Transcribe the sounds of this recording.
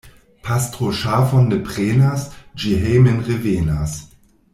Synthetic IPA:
pʰastʁoʃafonːepʁenasd͡ʒiɦejmenʁevenas

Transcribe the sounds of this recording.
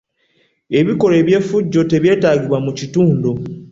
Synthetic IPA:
e̞βiko̞leːβje̞ːfuɟːo̞te̞βje̞ːtaːɟiβwamucituːndo

